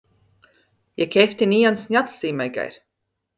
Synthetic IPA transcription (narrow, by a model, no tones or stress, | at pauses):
jɛkʲɛft̪ʲinʲijansnʲat̪lsiːmajɡa̰jɾʲ